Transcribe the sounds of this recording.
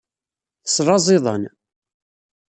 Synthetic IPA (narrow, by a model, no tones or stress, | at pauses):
θəsɾˤɑzˤɪðˤən